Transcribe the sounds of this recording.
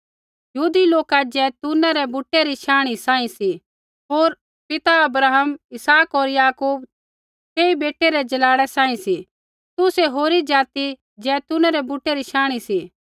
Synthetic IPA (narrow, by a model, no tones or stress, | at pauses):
jɦuːd̪iloːkad͡ʒɛːt̪ʊnaɾɛbuʈːeɾiʃaːɽ̃isãːĩsi | ɦoːɾ | pɪt̪aɐbɾaːɦəmɪsaːkoːɾjaːkuːb | keːibeːʈːeɾɛd͡ʒɐlaːɽɛsãːĩsi | t̪ʊseɦoːɾid͡ʒaːt̪i | d͡ʒɛːt̪ʊnaɾɛbuʈːeɾiʃaːɽ̃isi